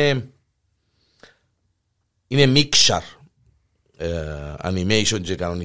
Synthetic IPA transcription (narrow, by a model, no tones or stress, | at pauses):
e | inemikʃa̰ɾ | a̰nimejʃõnd͡ʒekanoni